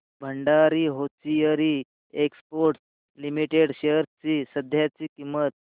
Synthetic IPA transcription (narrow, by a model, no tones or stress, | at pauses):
bʱəɳɖaɾiɦot͡sijəɾi | ekspoɾʈs | limiʈeɽɕeɾt͡sisəd̪ʱjat͡sikimːət̪̚